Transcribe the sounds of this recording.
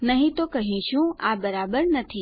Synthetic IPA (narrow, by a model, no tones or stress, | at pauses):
nɐɦĩt̪okɐɦĩʃũaːbɐɾaːbəɾnɐt̪ʰiː